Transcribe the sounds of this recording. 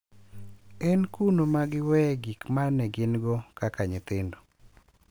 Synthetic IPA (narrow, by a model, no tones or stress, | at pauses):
ɛnkunomaɡɪwɛɡikmanɛɡɪnɡɔkakaɲɪt̪ɪndo